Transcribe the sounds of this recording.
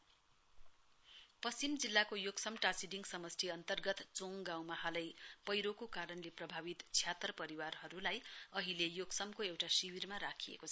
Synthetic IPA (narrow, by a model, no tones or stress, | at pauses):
pʌst͡simd͡zilːakojoɡsʌmʈasiɖiŋɡsʌmʌst̪ʰiʌnt̪ʌrɡʌt̪t͡soŋɡãw̃mʌɦalʌjpʌjɾokokaɾʌnleprʌbʱabit̪t͡sʰjat̪rʌpʌɾiwarɦʌɾulajʌɦilejoɡsʌmkoewʈasiwirmaɾakʰiḛkot͡sʰʌ